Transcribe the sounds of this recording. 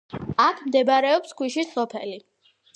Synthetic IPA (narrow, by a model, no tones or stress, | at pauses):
akʰmd̪ɛbaɾɛɔpskʰwiʃisɔpʰɛ̰li